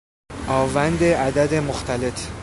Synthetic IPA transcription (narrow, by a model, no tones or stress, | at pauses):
ʔɒːvænd̪eæd̪æd̪emoxt̪æle̞t̪